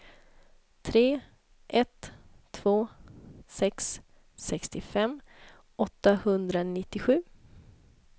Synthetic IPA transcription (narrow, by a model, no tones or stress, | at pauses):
t̪ʰɾeː | ʔɛt̪ʰː | v̥oːsɛks | sɛkst̪ɪfɛm | ɔt̪ːahɵnd̪ɾanɪt̪ːɪɧʉ̟ː